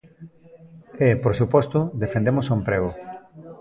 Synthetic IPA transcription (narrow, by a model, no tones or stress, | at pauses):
epoɾsupɔst̪ʊðefẽnd̪emosompɾeɣo